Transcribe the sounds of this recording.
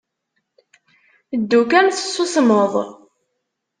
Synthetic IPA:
əd̪ːukænθə̥sˤːʊsməðˤ

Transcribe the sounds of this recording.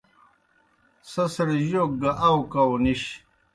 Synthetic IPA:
sɐsɾiʑok̚ɡaʔawkawniɕ

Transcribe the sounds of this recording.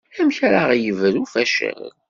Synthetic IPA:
æmçaɾaʁjəvəɾufæʃə̰ɾ

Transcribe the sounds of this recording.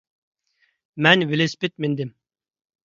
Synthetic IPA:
mɛnvɪlɪspɪt̪̚mɪnd̪ɪm

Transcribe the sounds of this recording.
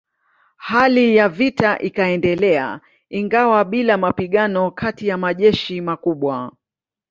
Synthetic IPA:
halijavitaʔikaɛndɛlɛa̰ | iŋɡawaɓilamapiɠanɔkʰatijamaʄɛʃimakuɓwa

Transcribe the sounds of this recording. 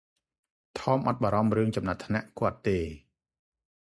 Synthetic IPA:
t̪ʰɑːmʔɑt̪̚ɓaːɾɑmrɨəŋt͡ɕɑmnat̪ʰnaʔkŏət̪ːeː

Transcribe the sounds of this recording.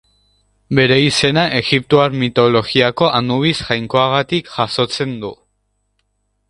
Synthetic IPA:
be̞ɾe̞ise̞naʔe̞ɣipt̪oaɾmit̪o̞lo̞ɣiako̞ʔand̪uβisʝajŋko̞aɣ̞at̪ikʝaso̞t͡se̞nd̪u

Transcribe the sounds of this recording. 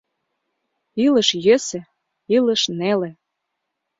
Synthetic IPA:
ilə̆ʃjøsĕ | ilə̆ʃnelĕ

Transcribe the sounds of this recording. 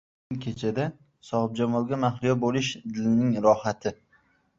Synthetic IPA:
ɪŋkʲʰe̞t͡ʃʰad̪a | sɒʁɨp̚d͡ʒamɒlˠɡʲamaχlɪjɒbolɪʃd̪ɪlɪnɪŋɾɒhat̪ʰɪ

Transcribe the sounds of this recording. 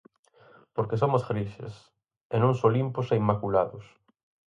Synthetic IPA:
poɾkes̬omʊsɣɾiʃḛs | enõŋsolimpʊseimːakulaðʊs

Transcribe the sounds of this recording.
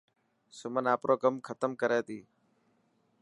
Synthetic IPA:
sʊmənaːpɾʔoːkəmkʰət̪əmkəɾeːt̪iː

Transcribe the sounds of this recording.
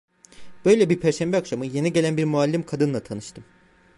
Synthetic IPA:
b̥ø̞jlʲebiɾpʰæɾʃæmbɛakʃamɯje̞niɟe̞lʲænbiɾmualʲːimkʰad̪ɯnlˠat̪ʰanɯʃt̪ʰɯm

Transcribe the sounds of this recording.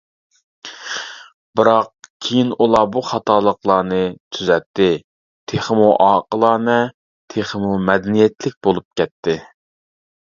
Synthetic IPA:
bɨɾɑqkʲʰejinulˠɑbuχɑt̪ʰɑːlˠəqlˠɑːnɨt̪ʰyzɛt̪ːɪ | t̪ʰeχmuʔɑːqəlˠɑːnɛ | t̪ʰeχəmumɛd̪ɛnijɛt̪lɪk̚ʲbolˠup̚kʲʰɛt̪ːɪ

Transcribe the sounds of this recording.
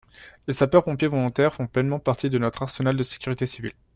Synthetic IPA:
esapœʁpɔ̃pjevɔlɔ̃t̪ɛʁfɔ̃plɛnmɑ̃paʁt̪ʰid̪ənɔt̪χaʁsənald̪əse̥kʲyʁit̪esivḭl

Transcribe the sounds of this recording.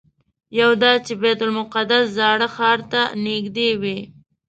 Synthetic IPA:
jawd̪ɑt͡ʃebɛt̪ʊlmʊqad̪aszɑɽəxɑːɾt̪aneɡd̪ewi

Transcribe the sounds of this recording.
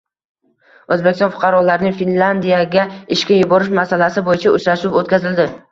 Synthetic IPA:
ɵzbekʲɪst̪ɔnfʊ̥qʰɑɾɒlaɾɪnɪŋʲfinland̪ijaɡʲaɪʃkʲajʊbɒɾɪʃmasalasɪbojɪt͡ʃʰaʊt͡ʃʰɾaʃɪwot̪̚kʲazɪld̪ɪ

